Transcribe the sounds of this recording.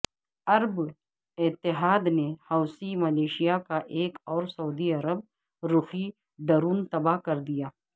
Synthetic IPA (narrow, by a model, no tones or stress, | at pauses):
ɐɾb | ɪt̪ːɪɦaːd̪nehɐːsimɐleːʃijakaʔeːkɔːɾsɐuːd̪iɐɾəb̚ | ɾʊxi | d̪ɐɾuːnt̪ɐbaɦkɐɾd̪ijaː